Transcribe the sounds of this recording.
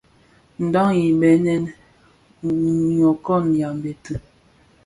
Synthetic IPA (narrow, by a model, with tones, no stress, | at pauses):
n̩˨dɔ˦ŋji˨bɛ˨˦nɛ˦n | ɲjɔ˨kɔ˦˨nja˨m˨be˨tɨ˨